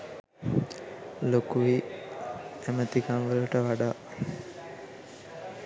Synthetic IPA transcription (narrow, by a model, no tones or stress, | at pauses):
lokuʋi | emət̪iɡaŋʋəluʈəʋaɖaː